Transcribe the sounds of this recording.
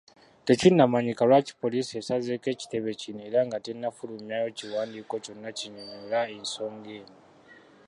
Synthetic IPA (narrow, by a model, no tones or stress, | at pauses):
te̞cinːamaɲikalwaci̥po̞liːsie̞sazeke̞ːci̥te̞βe̞cineːɾaŋɡatenːafulumjajociwaːndiːko̞co̞nːaciɲomelaenso̞ːŋɡeːno